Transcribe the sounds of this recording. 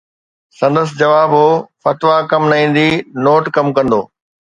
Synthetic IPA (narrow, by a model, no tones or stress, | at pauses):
sɐ̃nd̪əs̬d͡ʑɐʋaːbɦoːfɐt̪ʋakɐmnɐɦĩːn̆d̪inoːʈkɐmkɐ̃nd̪oː